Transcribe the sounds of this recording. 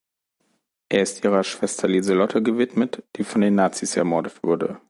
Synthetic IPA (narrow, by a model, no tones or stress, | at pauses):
ʔeːɐɪstʔiːʁ̞ɐʃv̥ɛstʰɐliːzəlɔtʰəɡəvɪtmətd̥iːfɔndeːnːaːt͡siːsɛ̰ɐmɔɐdətv̥ʊɐdə̰